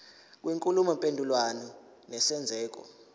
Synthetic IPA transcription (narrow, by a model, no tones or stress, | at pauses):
k̬wiŋkʼulumɔmpʼendʱulwanɔ | nɛsɛnd͡zʱɛːk̬ɔ̰